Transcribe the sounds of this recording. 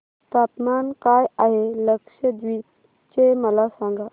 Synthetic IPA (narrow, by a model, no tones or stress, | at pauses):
t̪at̪mankajaɦeləkʂəd̪ʋi | t͡ɕeməlasãŋɡa